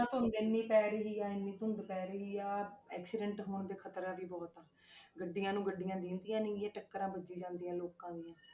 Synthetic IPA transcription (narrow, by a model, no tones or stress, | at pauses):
ãːt̪ʊʊnd̪eːnːiːpɛːɾəɦiːaːɪnːĩːt̪ʊʊnd̪pɛːɾəɦiːaːɛːksɪɖəɳʈɦoːnd̪eːkʰət̪ɾãːʋiːbɔːt̪ãː | ɡəɖːɪjãːnũːɡəɖːɪjãːd̪ɪ̃ːnd̪ijãːniːjaːʈəkːəɾãːbəd͡ʒiːd͡ʒãːnd̪ijãːloːkãːd̪ijãː